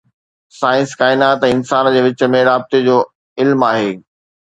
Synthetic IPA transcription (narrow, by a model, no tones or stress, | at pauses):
saːɪ̃nskaːɪnaːt̪ɛ̃ːɪ̃nsaːnd͡ʑeːʋɪt͡ɕə̆mẽɾaːb̚t̪ed͡ʑoː | ɪlmaːɦeː